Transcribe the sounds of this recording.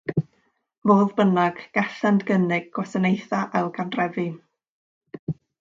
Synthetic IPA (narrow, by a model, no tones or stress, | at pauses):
moːðbənaɡ̥ɡ̥ɛɬandɡənɪɡ̚ɡ̥wɛsanejθaʔalˠɡandrɛvɨ